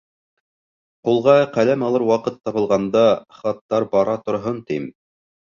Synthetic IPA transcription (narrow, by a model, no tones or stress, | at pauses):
qulˠʁɑqælæmɑlˠɤɾwɑqɤt̪ːɑβɤ̆lˠʁɑnd̪ɑχɑt̪ːɑɾbɑɾɑt̪ŏɾɦɤnt̪im